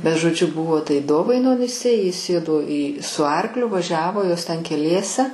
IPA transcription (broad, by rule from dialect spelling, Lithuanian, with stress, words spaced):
bʲɛt ʒoːˈd͡ʒʲʊ ˈbʊʋoː tɐɪ ˈdoːʋɐɪnoːnʲɪsʲɛ jɪ ˈsʲeːdoː iː sʊ ˈɐrklʲʊ ʋɐˈʒʲæːʋoː ˈjoːs ˈtʲɛn kʲɛˈlʲiɛsʲɛ